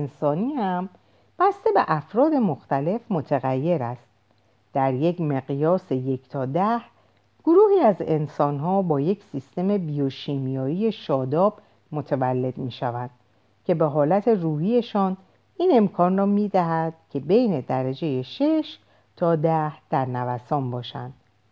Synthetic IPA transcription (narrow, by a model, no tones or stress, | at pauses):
nsɒːniːhæm | b̥æst̪e̞be̞ʔæfɾɒːd̪e̞mo̞xt̪æle̞fmo̞t̪ʰeɣæjːe̞ɾæst̪̚ | d̪̥æɾje̞cme̞ɣijɒːse̞je̞cʰt̪ʰɒːd̪æh | ɡ̥oɾuːhiːæze̞nsɒːnɦɒːbɒːje̞cʰsist̪e̞me̞bijoʃiːmijɒːije̞ʃɒːd̪ɒːb̥ | mo̞t̪ʰevælːe̞d̪̥miːʃævænd̪̥ | cʰe̞be̞ɦɒːlæt̪ʰe̞ruːhie̞ʃɒːn | iːne̞mkʰɒːnrɒːmiːd̪æɦæd̪̥cʲʰe̞be̞jne̞d̪æɾæd͡ʒe̞je̞ʃe̞ʃ | t̪ʰɒːd̪æhd̪̥æɾnævæsɒːmbɒːʃæ̰nd̪̥